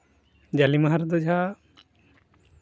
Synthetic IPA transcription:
d͡ʒalimaɦaɾd̪ɔd͡ʒʱa

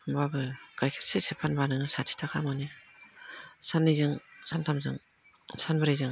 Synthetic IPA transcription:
mbabɯɡ̥ajkʰɯ̥sesepʰanbanɯŋɯsatʰi̥tʰakʰamɯni | sanːɯzɯŋsantʰamzɯŋ | sanbɯɾajzɯŋ

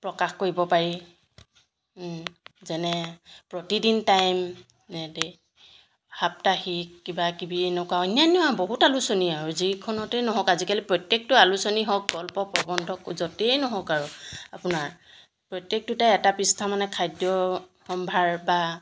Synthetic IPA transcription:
pɹɔkaxkoɹibɔpaɹi | zɛnɛpɹɔtidintajm | ɛde | hap̚taxikkːibakibiɛnɔkwaɔnanɛwaboɦutalusoniaɹuzikʰɔnɔtɛnɔɦɔkazikalipɹɔtjek̚tʊalusoniɦɔk̚ɡɔlpɔpɹɔbɔndʱɔkzɔtejnɔɦɔkaɹuapunaɹ | pɹɔtjek̚tʊtajɛtapɹistʰamanɛkʰajdjɔxɔmbʱaɹba

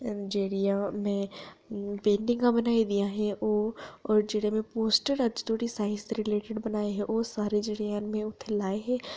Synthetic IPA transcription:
d͡ʒeːɽijãmɛ̃ | pẽːɳɖɪ̃ŋɡãbɐnaːid̪ijaɦɛʔoɔːɾd͡ʒeːɽemẽpoːsʈəɾɐd͡ʒt̪oːɽisaːɪnsɾɪleːʈɪɖbɐnaːeɦɛʔoːsaːɾed͡ʒeːɽijaːnmẽʊt̪ʰːelaːeɦɛː

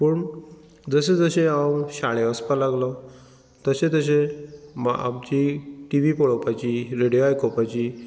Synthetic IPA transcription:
pəɳ | d͡zəsẽd͡zəɕẽãwɕaɭeəspalaɡlɔ | t̪əɕẽt̪əɕ̬ẽma̰a̰p̚t͡ɕiʈiʋipɔɭɔpat͡ɕiɾeɽijoajkʰopat͡ɕiː

